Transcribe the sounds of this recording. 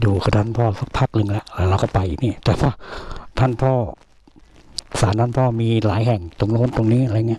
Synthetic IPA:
juː˨˩kʰa˧˩t̪a˥˨npʰɔː˧˩sa˧˩k̚pʰaː˦˥˩k̚nɯ˧ŋlɛ˧˦˧ʔlɛ˧˩ɾa˧wkɔː˥˩pa˧jniː˧˩t̪ɛː˨˩pʰaː˧˥˩t̪ʰa˥˩˨npʰɔː˧˥˩ | saː˨˦nt̪ʰaː˥˨npʰɔː˥˩miː˧laː˨˩˦jɦɛ˨˩ŋt̪o˧ŋloː˧˥˨nt̪o˧ŋniː˦˥˨ʔa˨˧ɾːŋːɲi˦˥˨

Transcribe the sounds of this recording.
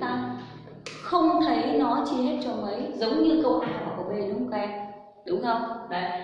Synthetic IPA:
naː˧m | xə˧wŋ͡mt̪ʰə˨˦jnɔ˨˦t͡ɕi˧ɦe˦˥t̚t͡ɕɔ˧mə˨˦jzə˨˦wŋ͡mɲɨ˧kə˨˦wʔaː˧˩ka˨˩kɔ˧˩ve˧˩lʊ˨˦ŋ͡mkwɛ˧n | ɗʊ˨˦ŋ͡mxə˧wŋ͡mvə̰˧˨

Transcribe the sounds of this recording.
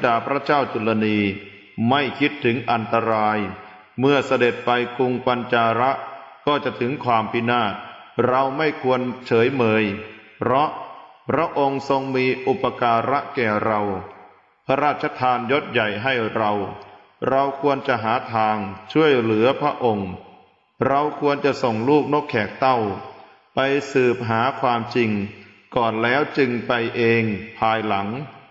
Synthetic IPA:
daː˧˩pʰɾa˦˥t͡ɕaː˥˩wt͡ɕu˧la˧niː˧ | ma˥˩jkʰi˦˥t̪ʰːɯ˩˦ŋʔa˧nt̪a˧ɾaː˧j | mɯ˥˩ɐsa˧de˨˩t̪̚pa˧jku˧ŋka˧nt͡ɕaː˧ɾa˦˥ʔkɔː˥˩t͡ɕa˨˩t̪ʰɯ˩˦ŋkʰwaː˧mpʰi˦˥naː˥˩t̪̚ɾa˧wma˥˩jkʰu˧ənt͡ɕʰɤː˩˦jmɤː˧jpʰɾɔ˦˥ʔ | pʰɾa˦˥ʔo˧ŋso˧ŋmiː˧ʔu˨˩pːa˧kaː˧ɾa˦˥ʔkɛː˨˩ɾa˧w | pʰa˧ɾaː˥˩t̪̚t͡ɕʰa˧t̪ʰaː˧njo˦˥t̪̚ja˨˩jɦa˥˩jɾa˧w | ɾa˧wkʰu˧ənt͡ɕa˨˩ʔɦaː˩˦t̪ʰaː˧ŋt͡ɕʰu˥˩əjlɯ˩˦ɐpʰɾa˦˥ʔo˧ŋ | ɾa˧wkʰu˧ənt͡ɕa˨˩ʔso˨˩ŋluː˥˩k̚no˦˥kʰːɛː˨˩k̚t̪a˥˩w | pa˧jsɯː˨˩p̚ɦaː˩˦kʰwaː˧mt͡ɕi˧ŋ | kɔː˨˩nlɛː˦˥wt͡ɕɯ˧ŋpa˧jʔeː˧ŋpʰaː˧jla˩˦ŋ

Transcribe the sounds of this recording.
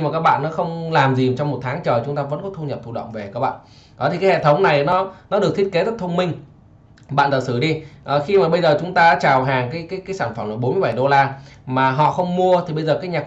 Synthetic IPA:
maː˨˩kaː˦˥k̚ɓa̰ː˧˨nːɔ˨˦xə˧wŋ͡mlaː˨˩mzi˨˩˨t͡ɕɔ˧wŋ͡mmo˨˩t̚t̪ʰaː˨˦ŋt͡ɕəː˨˩t͡ɕʊ˨˦ŋ͡mt̪aː˧və̰˧˥nkɔ˨˦t̪ʰu˧ɲə˨˩p̚t̪ʰu˧ɗə̰˧˨wŋ͡mve˨˩kaː˦˥k̚ɓa̰ː˧˨n | ɗɔ˨˦t̪i˨˩kaː˨˦hḛ˧˨t̪ʰə˨˦wŋ͡mna˨˩jnɔ˨˦nɔ˨˦˥ɗɨ˨˩k̚t̪ʰi˦˥ət̚ke˨˦t̪ə˦˥t̚t̪ʰə˧ŋ͡mmï˧ŋ̟ | ɓa̰ː˧˨nzə˧˩sɨ˧˩ɗi˧ʔəː˨˩xi˧maː˨˩ɓə˧jzəː˨˩t͡ɕʊ˨˦ŋ͡mt̪aː˧aː˨˦˥t͡ɕaː˨˩wɦaː˨˩ŋkaː˨˦jkaː˨˦jkaː˨˦jsaː˧˩nfə˧˩mʔaː˧˩ɓo˨˦nmɨ˧jɓa˧˩jɗo˧laː˧maː˨˩ɦɔ̰˧˨xə˧wŋ͡mmu˧ət̪ʰi˨˩ɓə˧jzəː˨˩kaː˨˦˥jɲaː˨˩

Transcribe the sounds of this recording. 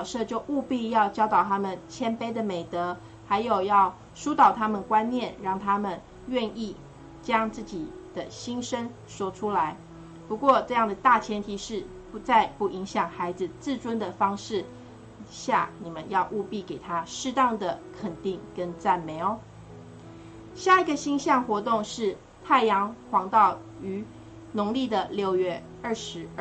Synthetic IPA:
jʂɤ˥˧t͡ɕjo˥˧ʊʔu˥˧pi˥˧jɑ˥˧ʊt͡ɕjɑ˥ʊt̪ɑ˨˩ʊt̪ʰa˥mə˨nt͡ɕʰjɛ˥npe˥ɪd̪ə˨me˨˩ɪt̪ɤ˧˦ | xa˧˥ɪjo˨˩ʊjɑ˥˩ʊ | ʂu˥t̪ɑ˨˩ʊt̪ʰa˥mə˨nkwa˦nnjɛ˥˩nɻɑ˥˩ŋt̪ʰa˥mə˨n | ɥɛ˥˧ni˥˩ | t͡ɕjɑ˥ŋt͡sɹ̩˥˩t͡ɕi˨˩d̪̥ə˨˩ɕi˥nʂə˥n | ʂwɔ˥ʈ͡ʂʰu˥la˧˦ɪ | pu˧˥kwɔ˥˧ʈ͡ʂɤ˥˧jɑ˥˩ŋd̪ə˩t̪a˥˩t͡ɕʰjɛ˧˥nt̪ʰi˧˥ʂɻ̩˥˩ | pu˧˥t͡sa˥˧ɪpu˥˩i˧˥ŋɕjɑ˨˩ŋxa˧˥ɪd͡zɹ̩˧t͡sɹ̩˥˩ʈ͡ʂwə˥nd̪ə˨fɑ˥ŋʂɻ̩˥˩ | ɕja̰˥˩ni˨˩mə˦njɑ˥˧ʊʔu˥˧pi˥˩ke˨˩ɪt̪ʰa˥ʂɻ̩˥˧t̪ɑ˥˩ŋd̪ə˩kʰə˨˩nt̪i˥˩ŋkə˦˥nt͡sa˥˩nme˧˥ɪo˨˦ | ɕja˥˩i˧˥ɡə˨ɕi˥ŋɕjɑ˥˩ŋxwɔ˧˥t̪̬ʊ˥˧ŋʂɻ̩˥˧ | t̪ʰa˥˩ɪjɑ˧˥ŋxwɑ˧˥ŋt̪ɑ˥˩ʊ | y˧˥ | nʊ˧˥ŋli˥˩d̪ə˩ljo˥˧ʊɥɛ˥˩ | ə˥˩ʂɻ̩˧˥

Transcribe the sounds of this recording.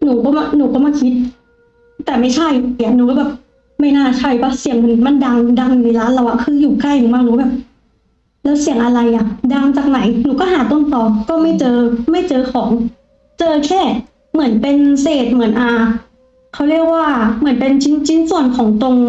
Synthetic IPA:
nuː˩˦kɔː˥˩ma˧˩nuː˨˩˦kɔː˥˩maː˧˥˩kʰi˦˥t̪̚ː | ɛː˨˩ma˥˩jt͡ɕʰa˥˩ja˨˩nuː˨˦kɔː˥˩bɛː˨˩p̚ | ma˥˩jnaː˥˩t͡ɕʰa˥˩jwaː˧˩si˨˩˦əŋpʰo˧ni˧˩ma˧˥˨nda˧ŋda˧ŋ˨ni˧˩laː˦˥nla˧˩wʔa˨˩kʰɯː˧juː˨˩ka˥˩jŋmaː˧˩knuː˨˩˦bɛː˨˩p̚ | lɛː˦˥wsi˨˩˦əŋʔa˧ɾa˧jʔa˨˩ʔda˧ŋt͡ɕaː˨˩k̚na˩˦jnuː˨˦kɔː˥˩ɦaː˩˦t̪o˧˥˩nt̪ɔː˨˩kɔː˥˩ma˥˩jt͡ɕɤː˧ma˥˩jt͡ɕɤː˧kʰɔː˩˦ŋ | t͡ɕɤː˧kʰɛː˥˩ | mɯ˨˩˦ənpe˧nseː˨˩t̪̚mɯ˨˩˦ənʔaː˧ | kʰa˦˥wɾi˥˩ək̚waː˥˩mɯ˩˦ənpe˧nt͡ɕʰi˦˥nt͡ɕʰi˦˥nsu˨˩ənkʰɔː˩˦ŋt̪o˧ŋ

